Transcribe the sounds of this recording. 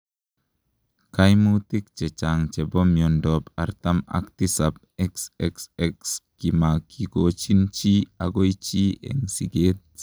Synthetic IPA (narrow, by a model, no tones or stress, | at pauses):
kajmut̪ik̚t͡ʃɛt͡ʃaŋt͡ʃɛbɔmjɔndɔpa̰ɾt̪ama̰kt̪isab̚ | ɛksɛksɛkskimakʰiɡot͡ʃint͡ʃiaɡojt͡ʃiḛŋsiɡet̪̚